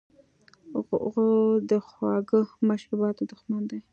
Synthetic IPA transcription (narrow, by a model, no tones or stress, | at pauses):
ɣod̪əxwɑɡəmaʃɾubɑt̪od̪əxmand̪aj